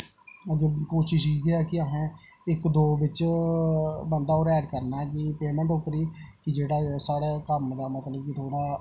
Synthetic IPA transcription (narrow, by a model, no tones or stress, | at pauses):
əɡəkoːʃɪʃiːɡeɛːkɪəɦã | ɪkd̪oːbɪt͡ʃ | bənd̪aːɔːɾɛːɖkəɾnaːkɪpeːmɛ̃ɳʈʊpːəɾiːkɪd͡ʒeːɽaːsaːɽeːkəmd̪aːmət̪ləb̚kɪt̪ʰoːɽaː